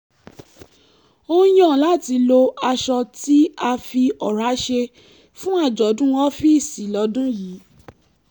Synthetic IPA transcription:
o˦j̃ɔ̃˦˨la˦˨ti˧lo˧a˧ʃɔ˧ti˦a˧fi˧ɔ˨ɾa˨˦ʃe˧ | fũ˦a˦˨d͡ʒɔ˨˦dũ˦wɔ̃˦fi˦˨si˨lɔ˨˦dũ˦ji˨˦

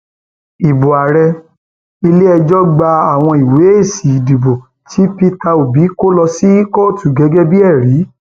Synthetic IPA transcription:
i˨bo˨a˨ɾɛ˧ | i˧le˦ɛ˧d͡ʒɔ˦ɡ͡ba˧a˦˨w̃ɔ̃˧i˨we˨˦e˦˨si˨i˨di˨bo˨ | tʰi˨˦pi˦ta˧o˨bi˨˦ko˦lɔ˧si˦kɔ˦˨tu˨ɡɛ˨˦ɡɛ˦bi˦ɛ˦˨ɾi˨˦

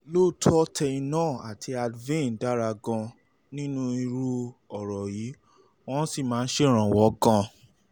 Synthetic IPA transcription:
lo˦˨tʰɔ˦tʰɛ˧ĩ˧nãː˦˨a˨tʰi˧a˧dvĩ˦˨n˨da˦ɾa˧ɡɔ̃˧ | nĩ˦nũ˦i˧ɾu˦ɔ˨ɾɔ˨ji˨˦ | w̃ɔ̃˦si˦˨mãː˨˦˧n̩˦ʃe˦˨ɾ̃ã˨wɔ˦ɡã˧

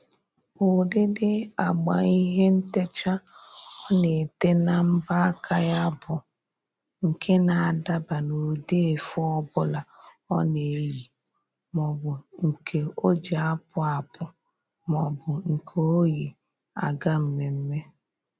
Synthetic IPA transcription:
o˨dɪ˦dɪ˦a˨ɡ͡ba̰˨i˦ɦe˦n̩˦te˦t͡ʃa˦ɔ˦ne˨te˦na˦m̩˦ba˦kʰa˦ja˦bʊ˨ | ŋ̩˨kʰe˦na˨a˨da˦ba˨no˨de˦e˨fʊ˦ɔ˦bʊ˦la˨ | ɔ˦ne˨ji˨ | mɔ˨bʊ˨ŋ̩˨kʰe˨o˦d͡ʒa˨a˦pʊ˦a˨pʊ˨ | mɔ˨bʊ˨ŋ̩˨kʰo˨o˦ji˨ | a˨ɡa˦m̩˦me˨m̩˦me˦

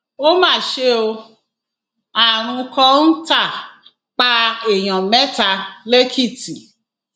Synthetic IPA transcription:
o˦mãː˦˨ʃe˧o˧ | a˨ɾ̃ũ˧kɔ̃˧n̩˦ta˦˨ | k͡pa˧e˨j̃ɔ̃˨mɛ̃˦ta˧le˦kʰi˦˨ti˨

